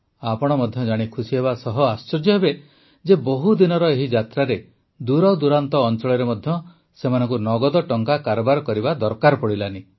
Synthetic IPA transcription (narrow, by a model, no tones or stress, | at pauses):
apɔɽ̃ɔmɔd̪ʱjɔd͡ʒaɽ̃ikʰusiɦeβasɔɦɔast͡ʃɔd͡ʒjɔɦebe | d͡ʒeboɔɦud̪inɔɾɔeɦid͡ʒat̪ɾaɾe | d̪uɾɔwd̪uɾant̪ɔːnt͡ʃɔɭɔɾemɔd̪ʱjɔ | semanɔŋkunɔɡɔd̪ɔʈɔŋkakaɾɔbaɾɔkɔɾibad̪ɔɾkaɾɔpɔɽilani